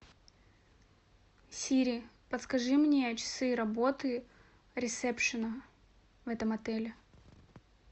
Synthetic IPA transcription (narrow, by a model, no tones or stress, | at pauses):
sʲiɾʲɪ | pət̪skɐʐɨmnʲeɐt͡ɕɪ̥sɨɾɐbot̪ɨ | ɾʲɪt̪sɛpʂɨnə | vɛt̪əmɐt̪ɛlʲɪ